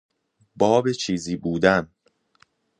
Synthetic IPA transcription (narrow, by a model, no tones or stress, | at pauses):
bɒːbet͡ʃʰiːziːbuːd̪æn